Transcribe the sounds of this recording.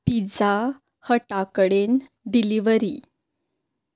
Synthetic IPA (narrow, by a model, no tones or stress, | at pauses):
pid͡za | həʈakɽen | ɖiliʋəɾi